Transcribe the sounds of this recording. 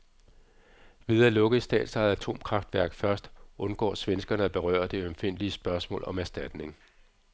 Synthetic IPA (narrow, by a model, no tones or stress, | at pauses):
ʋið̞ˠælɔ̽ɡ̥əð̩ˠsd̥ɛ̰ːd̥sɑ̈ːð̩ˠæt͡sʰo̝̰ːmkʰʁɑ̈fd̥ʋæɐɡ̥fɶɐsd̥ʔɔ̽nɡ̥ɒ̰ːsʋensɡ̥ɐnəæb̥e̝ʁœ̰ːɐd̥e̝ømfe̝n̰liəsb̥ɶɐsmɔ̰̽ːlɒ̽mæɐsd̥æd̥ne̝ŋ